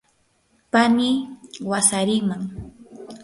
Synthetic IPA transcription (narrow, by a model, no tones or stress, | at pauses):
panɪwasaɾɪŋmaŋ